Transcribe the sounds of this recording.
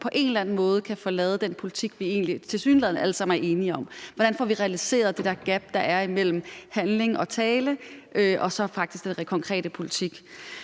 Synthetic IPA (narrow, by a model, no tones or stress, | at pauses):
pʰɒ̽ʔe̝nelænn̩mɔ̽ːð̞ˠəkʰæfɒ̽lɛːð̞̩ˠəd̥enpʰo̝lit͡sʰiɡ̥ʋie̝̰ːnlit͡sʰe̝lsy̰ːnleð̰ˠn̩ʔæləsɑ̈m̰n̩æɐʔe̝ːniɒ̽mʋɒɾ̥ænfɒʋiʁɛælise̝̰ːɐð̞̩ˠd̥e̝d̥ɛɐɡ̥æb̥̚d̥ɑ̈ʔæɐimel̰m̩hænle̝ŋɒ̽t͡sʰɛːləʔøʔɒ̽sɒ̽fɑ̈ɡ̥d̥isɡ̥d̥enʁɛkʰɒ̽ŋkʰʁɛ̰ːɾ̥əpʰo̝lit͡sʰiɡ̥